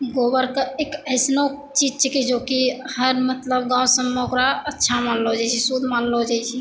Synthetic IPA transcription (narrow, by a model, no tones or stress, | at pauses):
ɡobəɾkeekəɪsno | t͡ʃid͡ʒt͡ʃʰikid͡ʒokihəɾmət̪ləbɡãwsəmːeokɾaətːʃʰamanlod͡ʒajt͡ʃʰisud̪ʱmanlod͡ʒajt͡ʃʰi